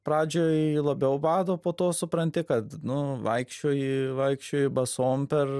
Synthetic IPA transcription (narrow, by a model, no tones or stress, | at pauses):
pɾɑːd͡ʒʲoːjlˠɐbʲɛʊbɑːd̪oːpoːt̪oːsʊpɾɐnʲt̪ʲɪkɐt̪nʊʋɐɪkʃʲt͡ʃʲoːjiʋɐɪkʃʲt͡ʃʲoːjiɪbɐsoːmpʲɛr